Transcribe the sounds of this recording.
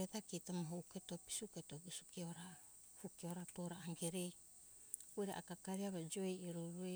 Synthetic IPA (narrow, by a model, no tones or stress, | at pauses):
etakitamaɦouketopi̥suketoɡisu̥kioɾa | hukioɾapoɾaːŋɡeɾej | ueɾḛʔakakaɾiaβad͡ʒoejeɾoɾue